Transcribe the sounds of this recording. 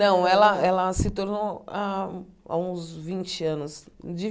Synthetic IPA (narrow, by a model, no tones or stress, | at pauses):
nɐ̃w̃ɛlɐɛlɐsɪt̪oɾnoaa̰ũzvĩnt͡ʃɪɐ̃nʊsd͡ʒi